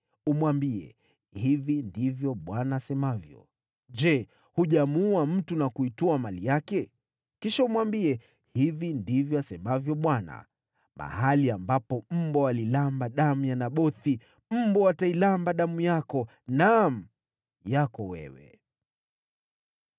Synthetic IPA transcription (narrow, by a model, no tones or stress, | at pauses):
umwambiɛ̰ | hivindivjɔɓwanaːsɛmavjɔ̰ | ʄɛ | huʄamuam̩tunakuituamalijakɛ | kiʃaumwambiɛ | hivindivjɔasɛmavjɔɓwana̰ | mʔa̰haliambapɔm̩mbɔalilambaɗamujanaɓɔθi | m̩mbɔatailambaɗamujakɔ | nam̩ | jakɔwɛ̰wɛ̰